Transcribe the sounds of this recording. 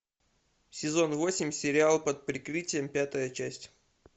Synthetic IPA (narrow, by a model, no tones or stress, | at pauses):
sʲɪzo̞nvo̞sʲɪmʲsʲɪɾʲɪalˠpət̪̚pɾʲɪkɾɨtʲɪjəmpʲat̪əjət͡ɕæsʲtʲ